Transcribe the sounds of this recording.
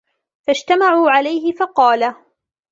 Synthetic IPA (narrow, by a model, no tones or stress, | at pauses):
fad͡ʒt̪amaʕuːʕalajɦɪfɑqɑːla